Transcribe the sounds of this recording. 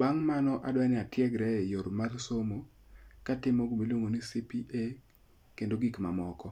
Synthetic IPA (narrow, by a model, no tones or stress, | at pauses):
baŋmanɔʔadwanɪatjɛɡɾɛɛjoɾmarsomo | katɪmɔɡomilwoŋonisipiʔe | kendoɡikma̰mɔkɔ